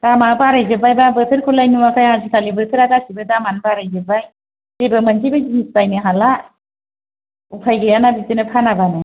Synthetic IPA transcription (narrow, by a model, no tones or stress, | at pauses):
d̥amanbaɾajzɯbajbabɯtʰɯɾkʰɔlajnumakʰajazitʰalibɯtʰɯɾaɡasibɯdamanbaɾajzɯbaj | z̥ebɯmanzʰibajzinistajnɯɦala | upʰajɡɯjanabitɯnɯpʰanabana